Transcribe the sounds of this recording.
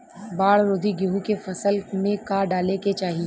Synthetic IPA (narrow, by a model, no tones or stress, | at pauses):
baːɽɾoːd̪ʱiɡiɦũkefɐsəlmẽkaːɖaːleket͡ʃaːɦi